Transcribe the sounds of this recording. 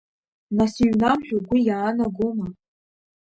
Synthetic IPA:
nasiɥnamʒᶣoɡʷijaːnaɡoma

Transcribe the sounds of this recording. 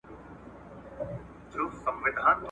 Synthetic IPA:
d͡ʒoːsə̃mʋɪd̪ʱãːt̪

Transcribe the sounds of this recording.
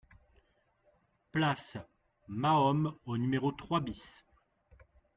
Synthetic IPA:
plas | maɔmonymeʁot̪χwabis

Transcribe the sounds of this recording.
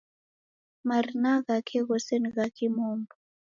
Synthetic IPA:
maɾinaɣakʰeɣoseniɣakʰimumbu

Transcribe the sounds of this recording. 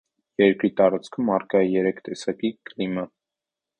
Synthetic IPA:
jɛɾkɾit̪ɑɾɑt͡skʰumːɑrkɑjijɛɾɛkʰt̪ɛsɑkiklimɑ

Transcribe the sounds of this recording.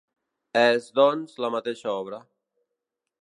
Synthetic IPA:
ɛzd̪ɔnzlamat̪eʃaɔβɾə

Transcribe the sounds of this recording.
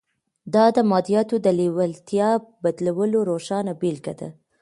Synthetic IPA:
d̪ɑd̪əmɑd̪ijɑt̪od̪əlewalt̪jɑbad̪lawəloɾoʃɑnabelkad̪a̰

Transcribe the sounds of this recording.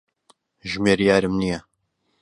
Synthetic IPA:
ʒmeːɾijaːɾɨmnijɐ

